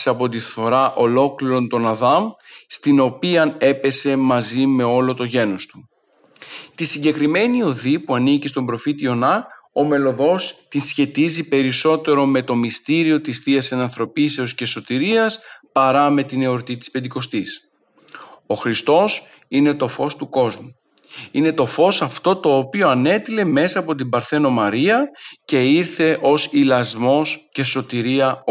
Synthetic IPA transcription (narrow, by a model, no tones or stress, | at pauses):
sɐpo̞t̪iθo̞ɾɐʔo̞lo̞kliɾo̞nt̪o̞nɐðɐmst̪ino̞piɐne̞pe̞se̞mɐzime̞o̞lo̞t̪o̞ʝe̞no̞st̪u | t̪isiɲɟe̞kɾime̞nio̞ðipuɐnicist̪o̞mbɾo̞fit̪io̞nɐome̞lo̞ðo̞st̪insçe̞t̪izipe̞ɾiso̞t̪e̞ɾo̞me̞t̪o̞mist̪iɾio̞t̪isθiɐsenɐnθɾo̞pise̞osce̞so̞t̪iɾiɐspɐɾɐme̞t̪ine̞o̞ɾt̪it̪ispend̪iko̞st̪is | o̞xɾist̪o̞s | ine̞t̪o̞fo̞st̪uko̞zmu | ine̞t̪o̞fo̞sɐft̪o̞t̪o̞ːpio̞ɐne̞t̪ile̞me̞sɐːpo̞t̪̬imbɐɾθe̞no̞mɐɾiɐce̞iɾθe̞ʔo̞silɐzmo̞sce̞so̞t̪iɾiɐ